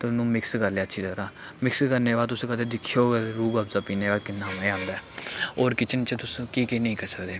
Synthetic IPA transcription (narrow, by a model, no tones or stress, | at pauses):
t̪ʊnũːmɪkskəɾlejaːətːʃʰiːt̪əɾãː | mɪkskəɾneːʋaːt̪̬ʊsːkət̪eːd̪ɪkʰːjoːeɾuːɡəpzaːpiːneːʋaːkɪnːaːmːãːnd̪aɛːoːɾkɪt͡ʃʰənt͡ʃət̪ʊskiːkinəĩːkəɾsəkd̪eː